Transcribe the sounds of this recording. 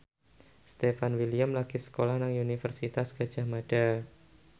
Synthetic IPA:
st̪efanwiliamlaɡ̥isə̥kolahnaŋunifərsit̪asɡ̥a̤d̥ʒ̥a̤hmad̥a

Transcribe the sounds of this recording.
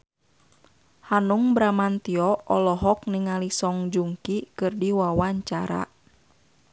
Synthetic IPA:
hanuŋbɾamant̪iɔɔlɔɦɔk̚niŋalisɔŋd͡ʒuŋkikɨrdiwawaɲt͡ʃaɾa̰

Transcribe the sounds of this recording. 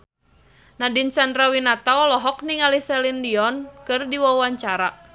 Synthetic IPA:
nadint͡ʃandɾawinat̪aɔlɔɦɔk̚niŋalisɛlindiɔnkɨrdiwawaɲt͡ʃaɾa

